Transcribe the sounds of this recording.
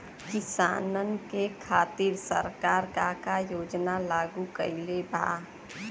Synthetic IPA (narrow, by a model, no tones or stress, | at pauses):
kɪsa̰ːnənkekʰaːt̪iɾsəɾkaːɾkakajoːd͡ʒnalaːɡukəɪlebʱa̰